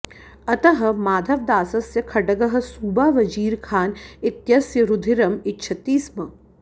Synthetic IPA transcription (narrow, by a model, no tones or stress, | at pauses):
ɐt̪ɐɦɐ̆maːd̪ʱɐʋd̪aːsɐsjɐkʰɐɖɐɡɐɦɐ̆suːbaːʋɐd͡ʒiːɾkʰaːnɪt̪jɐsjɐɾud̪ʱiɾɐmɪtːt͡ʃʰɐt̪iːsmɐ